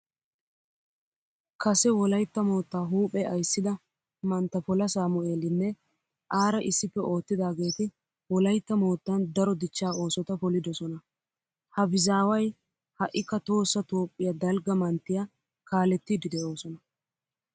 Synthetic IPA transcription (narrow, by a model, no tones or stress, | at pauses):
kɐsɛwɔlɐjt̪ːɐmo̞ːt̪ːaːɦuːpʼːɛʔɐjsːɪd̪ɐ | mɐnt̪ːɐpɔlɐsaːmɔe̞ːlɪnːɛ | ʔaːɾɐʔɪsːɪpːɛo̞ːt̪ːɪd̪aːɡe̞ːt̪ɪ | wɔlɐjt̪ːɐmo̞ːt̪ːɐnd̪ɐɾɔd̪ɪt͡ʃːaːo̞ːsɔt̪ɐpɔlɪd̪ɔsɔnɐ | hɐbɪzaːwɐj | hɐʔːɪkːɐt̪o̞ːsːɐt̪o̞ːpʼːɪjɐd̪ɐlɡɐmɐnt̪ːɪja | kaːlɛt̪ːɪd̪ɪd̪ɛʔo̞ːsɔnɐ